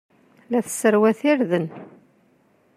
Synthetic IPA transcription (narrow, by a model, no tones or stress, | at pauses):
læθə̥səɾwæθɪɾðən